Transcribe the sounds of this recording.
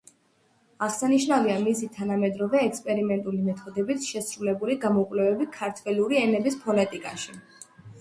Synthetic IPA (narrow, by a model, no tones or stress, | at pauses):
aʁsaniʃnaviamisit̪ʰanamɛd̪ɾɔvɛːkspʼɛɾimɛnt̪ʼulimɛt̪ʰɔd̪ɛbit̪ʰʃɛsɾulɛbuliɡamɔkʼwlɛvɛbikʰaɾt̪ʰwɛluɾiɛnɛbispʰɔlɛt̪ʼikʼaʃi